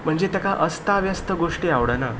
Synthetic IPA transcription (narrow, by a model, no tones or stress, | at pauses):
m̤əɳd͡zet̪əkaʔəst̪aʋjəst̪əɡoʂʈiaʋɽəna